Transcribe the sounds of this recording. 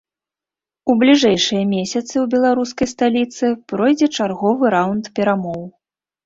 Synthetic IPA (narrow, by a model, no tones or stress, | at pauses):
ublʲiʐɛjʂɨjɐmʲesʲɐt̪sɨwbʲɛlˠaɾuskɐjst̪alʲit̪sɨpɾɔjd͡zʲɛt͡ʂarɣɔvɨɾawnt̪pʲɛɾamɔw